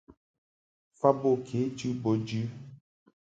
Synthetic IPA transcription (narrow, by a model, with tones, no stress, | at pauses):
fa˦bo˦˨kʰe˨˦d͡ʒi˦bo˨d͡ʒi˦